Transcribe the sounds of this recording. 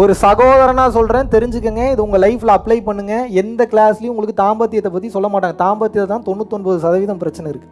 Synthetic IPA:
ɔɾɯsɐɣoːðɐɾɐnaːsɔlɾẽːnt̪ɛɾɪɲd͡ʒɯkːɯŋɡɐɪðɯʊŋɡɐlɐɪflɐɐpːlɐɪpɐɳːɯŋɡɐɛnd̪ɐkɪɭaːslɪjʊ̃ʊŋɡɐɭɯkːɯt̪aːmbɐt̪ːɪjɐt̪ːɐpːɐt̪ːisɔlːɐmaːʈːaːŋɡɐt̪aːmbɐt̪ːɪjɐt̪ːɐt̪ːãːt̪ɔɳːɯt̪ɔɳboːðɯsɐðɐʋɪðɐmpɪɾɐt͡ʃːɐnɛɪɾɯkːɯ̥

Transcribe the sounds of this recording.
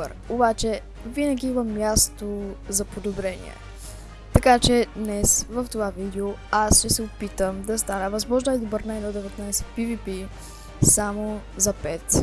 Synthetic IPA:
əɾobat͡ʃɛ | vinəɡʲiimɐmʲjast̪ozɐpod̪obɾɛnḭɛ̰ | t̪ɐkat͡ʃɛd̪nɛsvɐft̪ovavid̪ɛoasʃɛsɛopit̪əmd̪ɐst̪anəvɐzmɔʒnəɛd̪obəɾnajnɔd̪ɛvɛt̪najsɛ̥pivipi | samozɐpɛt̪

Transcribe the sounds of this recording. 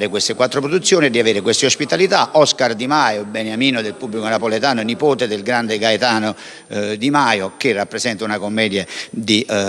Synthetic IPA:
ɾɪkwest̪ɪkwat̪ːɾopɾod̪ut̪sːjoːnied̪iaveːɾɪkwest̪eospit̪alit̪aʔɔskard̪imajobɛnjamiːnod̪elpubːlikonapolet̪aːnonipoːt̪ɪd̪ɪlɡɾand̪ɪɡajt̪aːno | d̪imajok̟ɪrːapːɾesɛnt̪aunakomːɛːd̪jad̪i

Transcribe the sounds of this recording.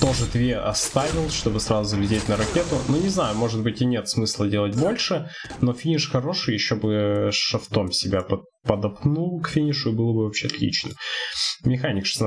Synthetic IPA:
t̪o̞ʐɨd̪vʲeɐ̰st̪avʲɪlˠʂt̪o̞bɨsɾazʊzəvlʲɪdʲetʲnəɾɐkʲe̞t̪ʊnunʲɪznajʊmo̞ʐɨd̪̚bɨtʲɪnʲe̞t̪smɨslˠədʲe̞lˠət̚ʲbo̞lʲʂɨ | no̞fʲinʲɪʂxɐɾo̞ʂɨjɪɕːobɨʂɐft̪o̞msʲɪbʲapə | pəd̪ɐpnulˠkfʲinʲɪʂʊɪbɨlˠəbɨvɐpɕʲeɐt̪lʲḭt͡ɕnɨmmʲɪxanʲɪkʂɨ̥sn

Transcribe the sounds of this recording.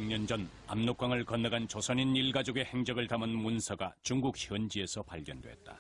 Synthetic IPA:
ŋɲʌnd͡ʑʌn | a̰mnok͈waŋɯɭkʌnːɯɡant͡ɕosʰʌɲiniɭɡad͡ʑoɡe̞he̞ŋd͡ʑʌɡɯɭtamɯnmunsʰʌɡat͡ɕuŋɡuk̚çjʌnd͡ʑie̞sʰʌpaɭɡjʌndwe̞̰t̚t͈ḁ̰

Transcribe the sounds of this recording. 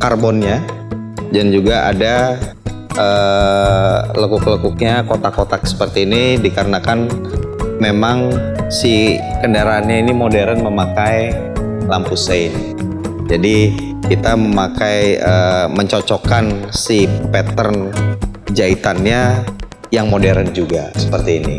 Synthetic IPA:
karbɔnɲa | d͡ʒand͡ʒuɡaʔa̰da | ə | ləkʊkləkuk̚ɲakot̪akot̪aksə̥pərt̪iːnidikəɾənakan | memaŋsikəndaɾaːnɲainimodeɾənməmakaj | lampuseɪn | d͡ʒadi | kit̪aməmakajəməɲt͡ʃot͡ʃokansipɛt̪ən | d͡ʒait̪anɲa | jaŋmodeɾənd͡ʒuɡa̰sə̥pərt̪iːnḭ

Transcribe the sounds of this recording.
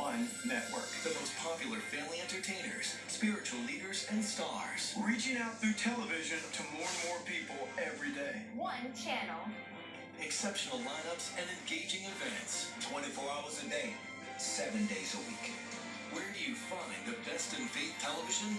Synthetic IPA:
ə̃nːɛʔ̚wɜ̰˞kðɨmoʊspʰɑpjl̩ˠə˞fæ̃mliɛ̃ntə˞tʰẽɪ̃nə̰˞z̥ | spɪɹɨt͡ʃul̩liɾə˞zɨ̃nstɑɹz̥ɹit͡ʃɪ̃ŋaʊt̪̚θɹʉtʰɛlˠəvɪʒɨ̃ntʰɨmɔɹə̃nmɔɹpipl̩ˠɛvɹideɪwʌ̃nt͡ʃʰænl̩ˠ | ɨksɛpʃɨn̩l̩ˠlãɪ̃nʌpsɨ̃nɨ̃nɡeɪd͡ʒɪ̃ŋɨdvæ̃ntstʰw̥ɛ̃ɾ̃ifɔɹaʊə˞zɨdeɪ | sɛvɨ̃ndeɪzəwikʰɛ̰̃nd̥ | wə˞dɨjɨfãɪ̃nðɨbɛstɨ̃nfeɪt̚tʰɛlˠəvɪʒɨ̃n

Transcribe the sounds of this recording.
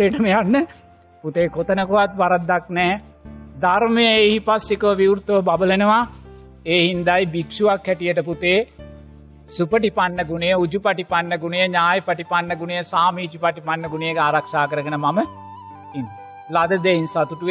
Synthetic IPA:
eʈəmejanːə | put̪eːkot̪ənəkoʋat̪ʋaɾat̪ːaknɛːd̪aɾmejəeɦipasːikəʋəʋiwuɾt̪oʋəbabəlenəʋa | eːɦind̪ajbikʂuʋakːɛʈijəʈəput̪eː | supəʈipanːəɡunejəud͡ʒupɐʈipanːəɡunejəɲaːjəpɐʈipanːəɡunejəsaːmiːt͡ʃipaʈipanːəɡunejekaːɾakʂaːkəɾəɡənəmamə | in | lad̪əd̪einsaːt̪uʈuʋe

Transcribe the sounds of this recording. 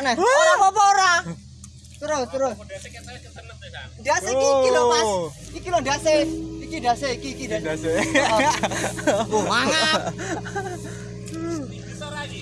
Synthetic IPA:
nɛaɔpɔɾa | t̪əɾost̪əɾos | daseiilɔmas | ikilɔdaseikidaseikikidasda | oma

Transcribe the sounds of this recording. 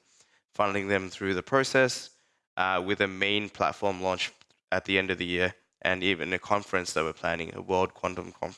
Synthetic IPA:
fʌ̃ndɪ̃ŋðɨ̃mθɹʉðɨpʰɹ̥oʊsɛs | ʔwɪðɨmẽɪ̃npʰl̥æ̰tfɔɹmlɔ̃nt͡ʃ | ʔɨt̪̚ðiɛ̃ndʌvðɨjɪɹ | ʔɨ̰̃nivɨ̃nɨkʰɑ̃ɱfɹɨ̃nsðət̚wə˞pʰl̥æ̃nɪ̰̃ŋə̰wɜ˞lˠd̚kʰw̥ɑ̃ntə̃mkʰɑ̰̃ɱ

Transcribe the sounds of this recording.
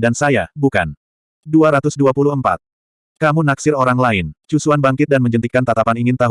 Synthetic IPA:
dansajabuka̰n | duaɾat̪ʊsduapuluɦəmpa̰t̪̚ | kamunaksɪɾoɾaŋlaɪnt͡ʃusuanbaŋkɪt̪̚danməɲd͡ʒənt̪ikant̪at̪apaniŋɪnt̪aɦ

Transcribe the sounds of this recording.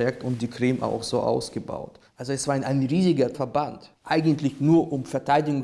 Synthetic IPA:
ɛk̚tʊnt̚d̥iːkʁ̥ɪmʔa̰ʊxz̥oːʔa̰ʊsɡ̥əba̰ʊtʔalzoɛsv̥aːɪnaɪnʁiːzɪɡɐfɛɐbantʔaɪɡn̩tlɪçnuːɐʔʊmfɛɐtʰaɪdɪɡŋ

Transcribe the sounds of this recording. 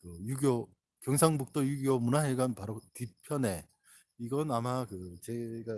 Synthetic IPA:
kɯjuɡjo | kjʌŋsʰaŋbuk̚t͈ʌjuɡjomunaɦeɡanpaɾotipʰjʌne̞ | iɡʌnamakɯt͡ɕe̞ɡa

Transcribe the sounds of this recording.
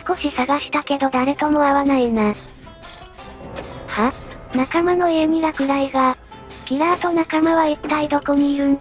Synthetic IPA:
sɨ̥ko̞ɕisaɡaɕi̥t̪ake̞d̪o̞d̪aɾe̞t̪o̞mo̞aβanaina | hanakamano̞iemʲiɡakɯ̟ɾaiɡaɡ̥ʲiɾaːt̪o̞nakamaβait̪ːaid̪o̞koɲ̟iɾɯ̟

